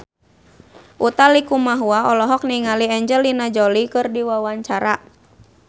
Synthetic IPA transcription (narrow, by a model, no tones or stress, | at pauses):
ʔut̪alikumaɦuaɔlɔɦɔk̚niŋaliɛɲd͡ʒəlinad͡ʒɔlikɨrdiwawaɲt͡ʃaɾa